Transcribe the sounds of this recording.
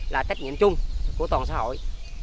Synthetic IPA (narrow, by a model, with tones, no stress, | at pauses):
laː˨˩t͡ɕa˦˥k̚ŋḭ˧˨əmt͡ɕʊ˧ŋ͡mku˧˩ət̪wɔː˨˩nsaː˨˧˦ɦo̰˧˨j